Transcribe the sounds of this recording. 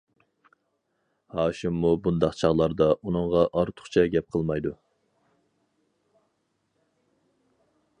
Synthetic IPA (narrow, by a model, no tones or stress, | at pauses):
hɑːʃimːubund̪ɑqt͡ʃʰɑʁlˠɑɾd̪ɑunɨŋʁɑʔɑɾt̪ʰʊ̥χt͡ʃʰɛɡʲɛp̚qʰəlˠmɑjd̪u